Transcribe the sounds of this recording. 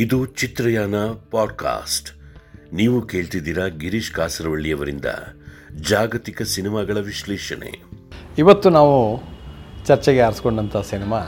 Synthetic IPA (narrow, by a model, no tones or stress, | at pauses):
id̪ut͡ʃit̪ɾɐjaːnɐpaːɖka̰ːsʈ | niːʋuke̞ːɭt̪id̪iːɾɐɡiɾiʃkaːsɐɾɐʋɐɭːijɐʋɐɾḭnd̪ɐ̰d͡ʒaːɡɐt̪ikɐsinimaːɡɐɭɐʋiʃlɛːʃɐnḛiʋɐt̪ːunaːʋu | t͡ʃɐɾt͡ʃɛɡeɐɾskoɳɖɐnt̪ʰɐsinimaː